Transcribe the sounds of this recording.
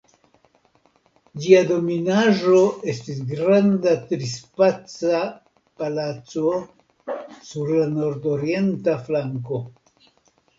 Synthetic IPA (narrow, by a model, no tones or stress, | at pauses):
d͡ʒiado̞minaʒo̞e̞stis̬ɡɾandatɾispat͡sa | palat͡so̞ | suɾlano̞ɾdo̞ɾie̞ntaflaŋko̞